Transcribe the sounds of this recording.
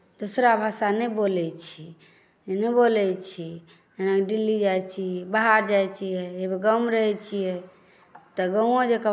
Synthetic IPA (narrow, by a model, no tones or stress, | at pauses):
d̪̥osɾabʱasanɛbolɛt͡ʃʰi | nɛbolɛt͡ʃʰi | enakɖilːid͡ʒajt͡ʃʰibaɦaɾd͡ʒajt͡ʃʰiɛebeɡəmɾəɦɛt͡ʃʰijɛ | t̪ɔɡə̃õd͡ʒekə